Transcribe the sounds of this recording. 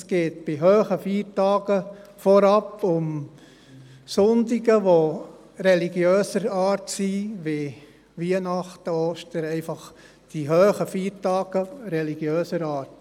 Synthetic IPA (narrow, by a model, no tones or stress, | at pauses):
sɡ̥eːtb̥ɪɦøːχəfiːɾtɑːɡəfɔɾɑpʊm | sʊndɪɡəʋo | ɾɛliɡjøːsəɾɑːɾtsiʋɪ | ʋiənɑχtəoːʃtəɾɛɪfɑχ | d̥iɦøːχəfiːɾtɑːɡ̥əɾɛliɡ̥jøːsəɾɑːɾt